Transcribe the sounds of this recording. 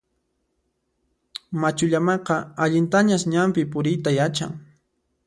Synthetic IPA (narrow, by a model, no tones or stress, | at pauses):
mat͡ʃʊʎamɑqɑaʎɪnt̪aɲasɲampɪpʊɾɪjt̪ajat͡ʃa̰ŋ